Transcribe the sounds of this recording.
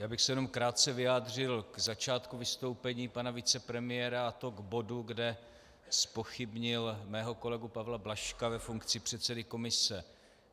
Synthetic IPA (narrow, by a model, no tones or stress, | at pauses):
jaːbɪxsɛjɛno̞mkɾaːt̪̚t͡sɛvɪjaːd̪r̝ɪlɡzat͡ʃaːt̪kuvɪst̪o̞wpɛɲiːpanavɪt͡sɛpɾɛmɪjɛːɾaat̪o̞ɡbo̞duɡdɛ | spo̞xɪbɲɪlmɛːɦo̞ko̞lɛɡupavlablaʃkavɛfuŋkt͡sɪpr̝̥ɛt̪sɛdɪko̞mɪsɛ